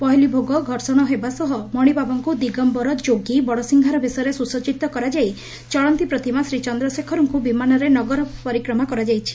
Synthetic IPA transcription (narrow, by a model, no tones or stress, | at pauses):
pɔɦilibʱoɡɔɡʱɔɾsɔɽ̃ɔɦebasɔɦɔmɔɽ̃ibʱabɔŋkud̪iɡɔmbɔɾɔd͡ʒoɡibɔɽɔsiŋɡʱaɾɔbʱisɔjɔɾesusɔt͡ʃit̪ːɔkɔɾad͡ʒaj | t͡ʃɔɭɔnt̪ipɾɔt̪imasɾit͡ʃɔnd̪ɾɔsekʰɔɾɔŋkubimanɔɾenɔɡɔɾɔpɔɾikɾɔmakɔɾad͡ʒajt͡ʃʰi̥